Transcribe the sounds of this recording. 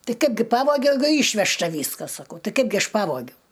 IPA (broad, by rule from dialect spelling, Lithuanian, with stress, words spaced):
ˈtɐɪ ˈkɐɪbʲɡʲɪ ˈpɑːʋoːɡʲɛʊ ˈɛɪɡʊ ˈiːʃʲʋʲɛʃtɐ ˈʋʲiːskɐs sɐˈkɐʊ ˈtɐɪ ˈkɐɪbʲɡʲɪ ˈɐʃ ˈpɑːʋoːɡʲɛʊ